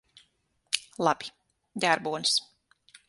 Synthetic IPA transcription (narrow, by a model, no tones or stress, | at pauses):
lˠabi̥ | d̪ʲæɾbuɔns